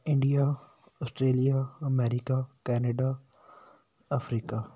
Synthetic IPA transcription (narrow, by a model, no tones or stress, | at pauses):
ɪ̃ɳɖija | ɔːsʈɾeːlijaɐmɛːɾɪkakɛːnəɖaː | ɐfɾiːka